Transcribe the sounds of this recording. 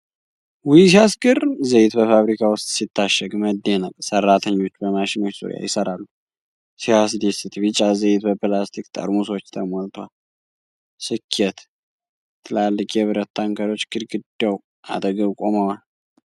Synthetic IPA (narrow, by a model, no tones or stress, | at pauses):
wijsiasɡɨrzəjɪt̪bəfaβɾikʰawʊst̪ʼsit̪ʰːaʃəɡməd̪ːenalsərːat̪ʰəɲːo̞t͡ʃːbəmaʃɪno̞t͡ʃːsṵɾja̰jɪsəɾalːu | sihas̬d̪esɨt̪βɨt͡ʃʼazəjt̪bəpɨlast̪ʰikt̪ʼʰə̰ɾmuswot͡ʃːt̪ʰəmolt̪ʰwal | sɨkʰːɛt̪ | t̪ʰːɨlalːɨkʼjɛβɨɾət̪ʰːaŋkʰəɾo̞t͡ʃːɡɨɾɡɨd̪əw | ʔa̰d̪ɡəβkʼo̞məwal